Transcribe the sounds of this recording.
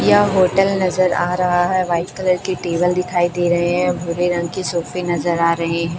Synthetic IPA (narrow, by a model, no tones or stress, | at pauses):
jaɦoːʈəlnɐzəɾaːɾɐɦaɦɛʋaːɪfkɐləɾkeʈeːbəld̪ɪkʰaːid̪eːɾɐɦeɦɛ̃bʱʊɾeɾɐ̃ŋɡ̚kesoːfenɐzəɾaːɾɐɦeɦɛ̃ː